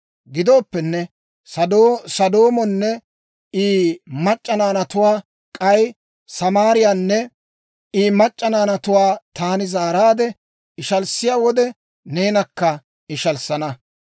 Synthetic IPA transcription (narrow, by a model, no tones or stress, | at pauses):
ɡɪd̪o̞ːpːɛnːɛ | sɐd̪sɐd̪o̞ːmɔnːɛ | iːmɐt͡ʃʼːɐnaːnɐt̪ʊwaː | kʼɐj | sɐmaːɾɪjanːɛ | iːmɐt͡ʃʼːɐnaːnɐt̪ʊwaːt̪aːnɪzaːɾaːd̪ɛ | ɪʃɐlsɪjaːwɔd̪ɛ | ne̞ːnɐkːɐ | ɪʃɐlsɐnɐ